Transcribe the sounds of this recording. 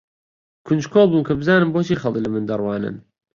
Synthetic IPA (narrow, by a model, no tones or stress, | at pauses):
kʰʊnd͡ʒkʰoːlˠbuːnkʰɐbɨzaːnɨmboːt͡ʃʰiːxɐlˠəklɐmɨnd̪ɐrˤwɑːnɨ̰n